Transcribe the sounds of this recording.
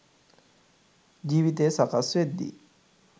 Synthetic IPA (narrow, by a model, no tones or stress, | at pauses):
d͡ʑiwit̪esakaset̪̚d̪ḭ